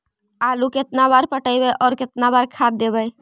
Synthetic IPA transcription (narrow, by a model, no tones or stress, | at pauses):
aluket̪nabaɾpəʈəɪbɛʔɔːɾket̪nabaɾkʰad̪ːebəj